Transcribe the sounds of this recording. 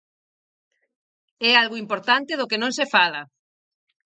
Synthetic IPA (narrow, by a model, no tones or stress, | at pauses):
ɛalɣoimpoɾt̪ant̪ɪðʊkenõŋsefalɐ